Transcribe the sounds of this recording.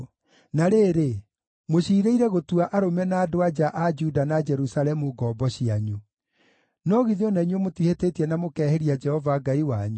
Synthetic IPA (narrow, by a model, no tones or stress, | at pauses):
naɾeːɾe | moɕiːɾeiɾɛɣotuaʔaɾomɛnaːdoad͡ʒaʔad͡ʒudanad͡ʒɛɾusalɛmuɡɔːbɔɕiaɲu | nɔɣiðeɔnaiɲwɛmotwihetetiɛnamokɛːheɾiad͡ʒɛhɔvaɡaiwaɲu